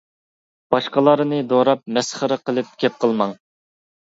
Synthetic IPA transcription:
b̥ɑʃqɑlˠɑɾɨnɨd̪oɾɑp̚mɛsχəɾəqəlˠɨp̚kʲɛp̚qʰəlˠmɑŋ

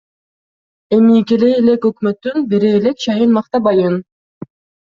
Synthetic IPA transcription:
emikeleːlekɵkmøt̪ːynbeɾeːlek̚t͡ʃɑjɯnmɑχt̪ɑbɑjɯn

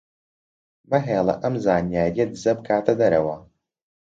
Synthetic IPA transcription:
mɐɦeːlˠɐ̰ʔɐmzaːnjaːɾijɐd̪ɨzɐbɨkʰaːt̪ʰɐd̪ɐɾɐwɐ

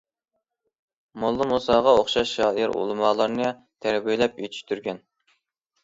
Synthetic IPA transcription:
molˠːɨmusɑːʁɑoχʃɑʃːɑːʔɨɾṵlˠɨmɑːlˠɑɾnɨ | t̪ʰæɾbyjlɛpy̰t̪ʰy̥ʃt̪ʰyɾɡʲɛn

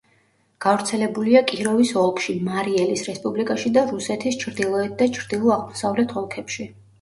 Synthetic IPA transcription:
ɡ̥avɾt̪sʰɛlɛbuliakʼiɾɔvisɔlˠkʰʃimaɾiɛlisɾɛspʼublikʼaʃid̪aɾusɛt̪ʰist͡ʃʰɾd̪ilˠɔɛt̪̚d̪at͡ʃʰɾd̪ilˠɔaʁmɔsavlɛt̪ʰɔlˠkʰɛpʃi

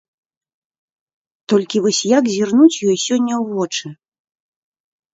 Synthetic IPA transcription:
t̪ɔlʲkʲivɔsʲjakzʲirnut͡sʲjɔjsʲɔnʲːɐwvɔt͡ʂɨ

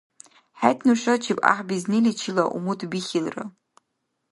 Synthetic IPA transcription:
ħajtʰnuʃat͡ʃʰipʼa̰ħbiznilit͡ʃʰilaʔumutʰbiχʲilrɨ̰

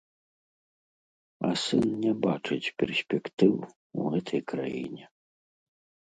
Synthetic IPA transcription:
ɐ̰sɨnnʲɛbat͡ʂɨt͡sʲpʲɛrsʲpʲɛkt̪ɨw | uɣɛt̪ʰɐjkɾa̰jḭnʲɛ

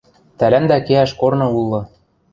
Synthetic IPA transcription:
t̪ælænd̪ækeæʃkornɤ̆ulˠːɤ̆

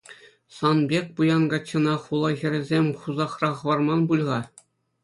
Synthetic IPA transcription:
sɑnbʲek̚ʲpujɑnɡɑt͡ɕːɤ̆nɑχulˠɑxʲɘ̆ɾʲɘ̆zʲemʲχuzɑχrɑχɤ̆ʋɑrmɑnbulʲʁɑ

